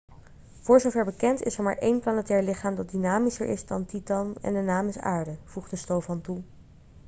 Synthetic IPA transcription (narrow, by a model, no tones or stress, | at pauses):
v̥ʊːɹzowvɛɹbəkɛntɪ̰sɛɹmaːɹʔejnplanətɛːɹlɪχaːmdɑt̚dinaːmisə̰ɹʔɪ̰zdɑntitɑnɛ̰ndənaːmɪsa̰ːɹdəv̥uχdəstowvɑntu